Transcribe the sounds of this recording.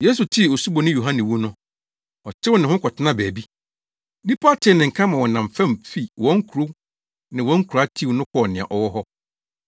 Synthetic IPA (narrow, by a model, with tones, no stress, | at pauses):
je˦su˨tʰɪ˦˨o˨su˦bo˨nɪ̃˦jo˨ɦã˦nɪ̃˨wu˦nʊ̃˦ | ɔ˨tʰɪ˦wʊ˦nɪ̃˨hʊ̃˦kʰɔ˨tʰɪ˦nã˦bæ˨bi˦ | di˦pʰa˦tʰɪ˨nɪ̃˨ŋ̩˨kʰã˦mã˨wɔ̃˨nã˨mfɛ̃˦mfi˦wɔ̃˦ŋ̩˦kʰu˨ɾo˦ | nɪ̃˨wɔ̃˨˦ŋ̩˦kʰu˨˦a˦tʰi˦˨nʊ̃˦kʰɔ˦˨nɪ̃˨ã̰˨ʔɔ˨wɔ˦ɦɔ˦